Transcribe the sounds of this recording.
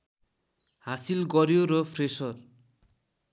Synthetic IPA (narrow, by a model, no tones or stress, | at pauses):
hasilɡʌɾjoɾʌpʰresʌr